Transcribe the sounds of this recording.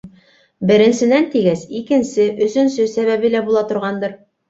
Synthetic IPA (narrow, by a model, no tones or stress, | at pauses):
bɘ̆ɾɘ̆nsɘ̆nænt̪iɡæsikɘ̆nsɘʔɵ̆sɵ̆nsɵsæβæβɘlæbulˠɑt̪ŏɾʁɑnd̪ɤɾ